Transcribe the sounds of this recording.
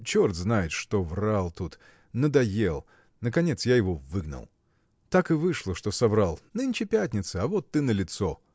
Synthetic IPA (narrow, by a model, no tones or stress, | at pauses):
t͡ɕort̪znajɪt̪ʂt̪o̞vralˠt̪ut̪ | nəd̪ɐjelˠ | nəkɐnʲet̪sjajɪvo̞vɨɡnə̰lˠ | t̪akɨvɨʂlˠəʂt̪o̞sɐvɾalˠnɨnʲt͡ɕɪpʲætʲnʲɪt̪səɐvot̪ːɨnəlʲɪt̪so